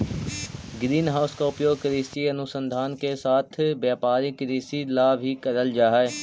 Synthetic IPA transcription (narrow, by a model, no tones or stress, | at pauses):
ɡɾiːnɦaːʊskaʊpjoːɡ̚kəɾiːsiɐnʊsə̃nd̪ʱaːnkesaːt̪ʰʋjaːpaːɾikəɾiːsilabʱikəɾəld͡ʒaːɦaeː